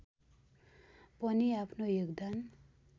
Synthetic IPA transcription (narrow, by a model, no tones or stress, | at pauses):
pʌniapʰnojoɡd̪an